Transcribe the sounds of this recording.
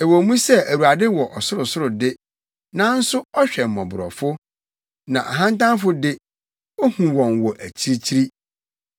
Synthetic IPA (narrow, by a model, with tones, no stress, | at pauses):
ɛ˨wɔ˨mũ˦sɛ˦æ˨wu˨a˨dɪ˦wɔ˨ʔɔ˨sʊ˦ɾʊ˨sʊ˦ɾʊ˨dɪ˦ | nã˦n̩˦sʊ˦ɔ˦ɕᶣɛ˨m̩˨mɔ̃˨bʊ˨ɾɔ̰˨fʊ˦ | nã˨ʔa˨ɦã˦ntã˦n˦fʊ˦dɪ˦ | o˦hũ˨wɔ̃˨nwɔ˨ʔæ˨t͡ɕʰi˦ɾi˦t͡ɕʰi˦ɾi˦